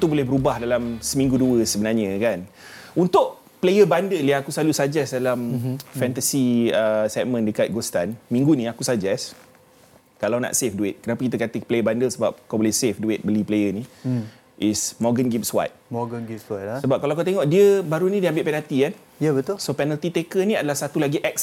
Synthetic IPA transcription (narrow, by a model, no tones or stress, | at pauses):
t̪ubolɛhbəɾubahdalamsəmĩŋɡuduəsəbənarɲə̃kan | unt̪ʊʔ | plejəbandəljaŋakusalusad͡ʒɛsdalamfɛnt̪asiəsɛk̚mə̃ndəkat̪̚ɡost̪anmĩŋɡunĩakusad͡ʒɛs | kalawna̰ʔsefduɪt̪̚kənapakit̪əkat̪əplejəbandəlsəbap̚kabolɛhsefduɪt̪̚bəliplejəni | ʔismɔɡənɡip̚swa̰t̪̚mɔɡənɡipswat̪̚asəbap̚kalawakut̪̬eŋɔʔdiəbaɾunĩdiambɪʔpɛnalt̪ikan | jabət̪ʊsopɛnəlt̪it̪ekəniadalahsat̪ulaɡiʔɛk̚s